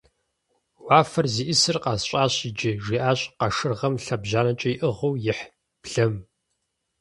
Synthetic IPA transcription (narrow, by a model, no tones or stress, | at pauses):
waːfɐrziːʔɪsɨrqɑsɕʼaːɕid͡ʒɪʒiːʔaːɕʼqɐʂɨrʁɐmɬɐbʑaːnɐt͡ʃʼɐjiʔɨʁɐwjɪħ | pɮɐm